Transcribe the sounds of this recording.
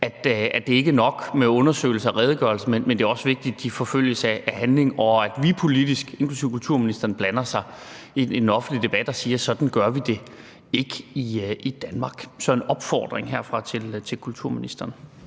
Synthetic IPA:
æd̥æd̥e̝e̝ɡ̥ənɒ̽ɡ̥meɔ̽nɐsø̰ːɪl̩səɒ̽ʁɛːðˠəɡ̥ɶɐlsəmenmend̥e̝æɐɒ̽sʋe̝ɡ̥̚d̥id̥d̥ifɒ̽føl̰jəsææhænle̝ŋɒ̽æd̥ʋipʰo̝lidisɡ̥e̝nkʰlusḭʊkʰult͡sʰuɐ̰minisd̥ɐn̩b̥lænɐsɑ̈ɪ | nɒ̽fn̩dlid̥e̝b̥æd̥ɒsiːɐsɒ̽d̥n̩ɡ̥ɶɐʋid̥e̝ | e̝ɡ̥əiʔid̥ænmɑ̈ːɡ̥sɒ̽enɒ̽b̥fɒ̰ːd̥ʁeŋɦeɐ̰fʁɑ̈t͡sʰe̝lt͡sʰe̝lkʰult͡sʰuɐ̰minisd̥ɐːn

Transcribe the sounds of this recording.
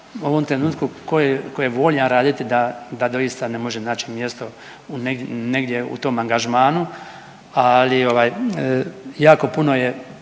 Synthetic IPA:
uoʋo̞mt̪ɾe̞nuːt̪kukojekojeʋo̞ːʎaɾaːd̪it̪id̪ad̪ad̪o̞jist̪ane̞mo̞ʒenaːt͡ʃimjest̪o̞ | uneɡneɡd̪je̞ṵt̪o̞ːmaŋɡaʒmaːnu | alio̞ʋaːj | jaːko̞puno̞je

